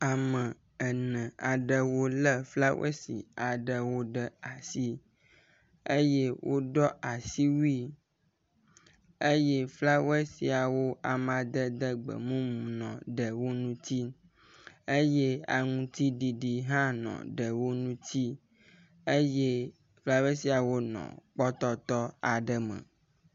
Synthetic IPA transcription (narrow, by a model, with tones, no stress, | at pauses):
a˨mə̃˨ | ə˨nə̃˨a˨ɖə˨wo˦lə˦fla˦wḛ˦sḭ˨a˨ɖə˨wo˦ɖə˨a˨si˦ | e˦je˦wʔo˦ɖɔ˦a˨si˦wi˦ | e˦je˦fla˦we˦si˨a˨wo˦a˨mã˨d̪ə˦d̪ə˦ɡ͡bə̰˨mũ˦mũ˨nɔ̰̃˨ɖə˨wo˦nũ˦t̪i˦ | e˦je˦a̰˨ŋũ˨t̪i˦ɖi˨ɖi˨ɦã˦nɔ̰̃˨ɖə˨wo˦nũ˦t̪i˦ | e˦je˦ | fla˦we˦si˦a˨wo˦nɔ̰̃˨k͡pɔ˦t̪ɔ˦t̪ɔ˦a˨ɖə˨mə̰̃˨